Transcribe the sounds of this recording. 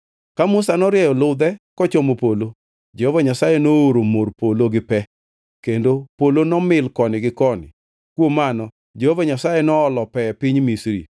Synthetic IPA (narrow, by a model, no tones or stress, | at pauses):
kamʊsanɔɾjɛjɔlʊd̪ɛkɔt͡ʃomopolo | d͡ʒehovaɲasajenooɾomorpoloɡɪpɛ | kendopolonɔmɪlkɔnɪɡɪkɔnɪ̰ | kwomːanɔ | d͡ʒehovaɲasajenɔːlɔpɛpɪɲmisɾḭ